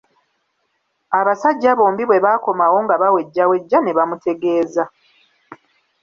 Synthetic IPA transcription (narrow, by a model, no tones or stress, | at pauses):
aβasaɟːaβo̞ːmbiβwe̞βaːko̞mawo̞ŋɡaβawe̞ɟːawe̞ɟːane̞βamute̞ɡe̞ːza